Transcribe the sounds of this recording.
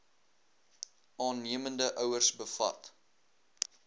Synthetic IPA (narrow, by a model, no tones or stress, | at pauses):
ʔɑːnːiəməndəʔœwərsbəfɐ̰t